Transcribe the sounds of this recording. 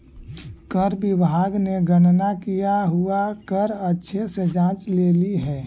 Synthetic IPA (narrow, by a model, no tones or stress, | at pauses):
kəɾbɪbaːɡneɡənnakijaɦuakəɾətːʃʰesed͡ʒãːt͡ʃleːliɦɛː